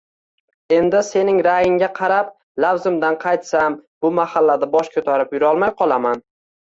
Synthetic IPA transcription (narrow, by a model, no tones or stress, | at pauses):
e̞nd̪ɪse̞nɪŋɾajɪŋɡʲaqʰɑɾap̚ | lawzɪmd̪anqʰɑjt̪sambʊmahalːad̪abɒʃkʰɵt̪ʰaɾɪpjʊɾɒlˠmajqʰɒlˠaman